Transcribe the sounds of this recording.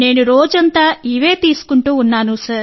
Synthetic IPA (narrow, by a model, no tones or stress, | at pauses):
ne̞ːnuɾoːd͡ʒɐnt̪aːiʋe̞ːt̪iːsu̥kuɳʈuːnːaːnusɐɾ